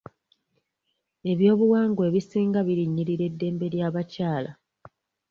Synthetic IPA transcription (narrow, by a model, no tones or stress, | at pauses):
e̞βjo̞ːβuwaːŋɡwe̞ːβisiːŋɡaβiɾiɲːiɾiɾe̞dːe̞ːmbe̞ɾjaːβacaːla